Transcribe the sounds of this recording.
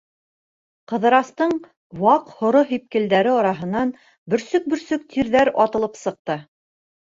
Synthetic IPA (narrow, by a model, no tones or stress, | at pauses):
qɤ̆ðɤ̆ɾɑst̪ɤɴ | wɑqhŏɾoɦip̚kɘ̆ld̪æɾɘɒɾɑɦɤ̆nːɑn | bɵ̆ɾsɵk̚bɵ̆ɾsɵk̚t̪ʰiɾðæɾɒt̪ɤ̆lˠɤpsɤ̆q̚t̪ɤ